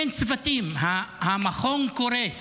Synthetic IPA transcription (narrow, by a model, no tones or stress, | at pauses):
nt͡svatimɦahamaχoŋkoɾes